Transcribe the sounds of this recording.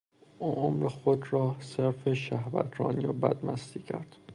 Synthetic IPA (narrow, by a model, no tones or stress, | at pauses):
ʔuːʔomɾexod̪rɒːseɾfeʃæhvæ̰t̪ʰɾɒːnijobæd̪mʔæst̪iːcʰæ̰ɾd̪̥